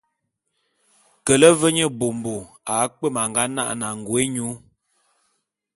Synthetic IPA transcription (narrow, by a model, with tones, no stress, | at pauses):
kə˨lə˦və˦ɲə˦bo˨m˨bo˨ | a˨˦k͡pə˦˨ma˨ŋɡa˦na̰˦ʔna˨ŋ˨ɡwe˦ɲu˨˦